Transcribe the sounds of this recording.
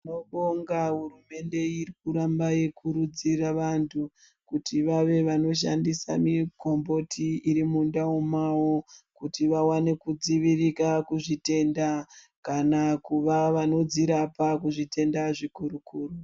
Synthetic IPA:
inoɓoŋɡaɦurume̞nde̞irikuɾambaje̞kʰuɾud͡ziraʋantʰu | kutʰiʋaʋe̞ʋano̞ʃ̬a̰ndisa̰miɡʱo̞mbo̞tʰiːɾimundaumawokutiʋawane̞kud͡ziʋirikakuʐite̞nda | kanakuʋaʋano̞d͡ziɾapakuʐite̞ndaʐikuɾukuːru

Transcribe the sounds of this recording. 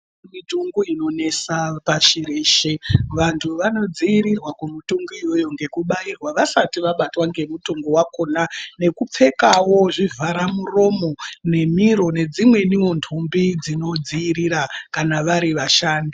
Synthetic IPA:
mituŋɡuino̞ne̞sapaʃireːʃeʋantʰuʋano̞d͡ziiɾirwakumutuŋɡuiwo̞jo̞ŋɡe̞kuɓairwaʋasatiʋaɓatwaŋɡe̞mutoŋɡowako̞nane̞kup͡fe̞kawo̞ʐivʱaɾamuro̞mo̞ne̞miɾo̞ne̞d͡zimwe̞niwo̞ntʰumbid͡zino̞d͡ziiɾiɾakanaʋaɾiʋaʃaːndi

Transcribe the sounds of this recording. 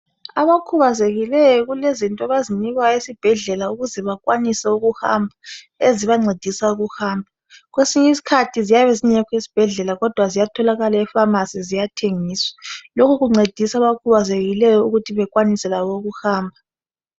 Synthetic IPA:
aβakʰuβazeɣilɛjɔɣulezintʼaβaziniɣwaesib̥ʱɛɮɛlauɣuzɛβakʼwanisɛuɣuha̰mbʱa | eziβaŋ͡ǀed̥ʱisauɣuhaːmbʱa | ɣwesiɲɛisi̥kʰatʰizijaβɛziɲɛkʰweisi̥b̥ʱɛɮɛlaɣɔd̥ʱwazijatʰɔlaɣalaɛfamasizijatʰeŋiːswɛ̥lokʰuɣuŋ͡ǀed̥ʱisaβakʰuβazeɣilɛjɔuɣutʰiβɛkʼwanisɛlaβouɣuxaːmbʱa

